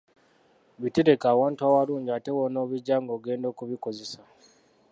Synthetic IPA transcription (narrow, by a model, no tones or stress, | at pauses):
βiteɾe̞kaːwaːntuaːwaluːɲɟiate̞wonoːβuɟaːŋɡoːɡe̞ːndo̞ːkuβiko̞ze̞sa